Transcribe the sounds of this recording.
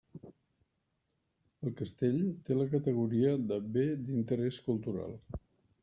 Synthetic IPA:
əlˠkəst̪eʎt̪eləkət̪əɣ̞uɾiəðəbed̪int̪əɾɛskulˠt̪uɾa̰lˠ

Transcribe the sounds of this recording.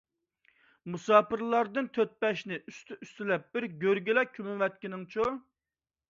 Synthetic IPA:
musɑːpɨɾlˠɑɾd̪ɨnt̪ʰøt̪̚pɛʃnɪyst̪yyst̪ylɛp̚b̥ɪɾɡʲøɾɡʲɪlɛkʲʰymɪvɛt̪̚kʲinɪŋt͡ʃʰo

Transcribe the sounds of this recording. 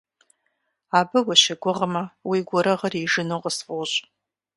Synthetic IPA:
abɨɡʷaʃɐɡʷʊʁmɐwiɡʷʊɾɐʁəriʐɨnuqʼəsfʼoɕʼ

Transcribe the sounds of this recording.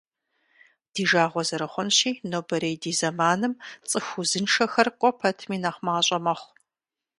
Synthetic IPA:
d̥iːʒaːʁʷɔzɐɾɨχʷʊnʃiːnobɐɾeːjdiːzɐmaːnɨmt͡sʼɨxʷuzɨnʃɐxɐrqʷʼɔpʰɐtʰmiːnaχʷmaːɕʼɐmɐχʷ

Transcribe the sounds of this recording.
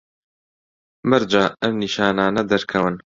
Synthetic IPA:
mɨɾd͡ʒaːɐmniːʃaːnaːnɐd̪ɐɾkʰɐwɨn

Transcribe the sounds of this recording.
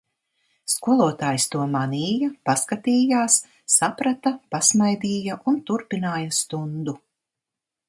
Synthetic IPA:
skuɔlˠuɔt̪aːjst̪uɔmaniːjapaskat̪iːjaːsː | apɾat̪apasmajd̪iːjaʔunt̪uɾpinaːjast̪und̪u

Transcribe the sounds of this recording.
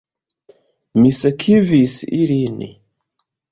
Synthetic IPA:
misekʰivisilinḭ

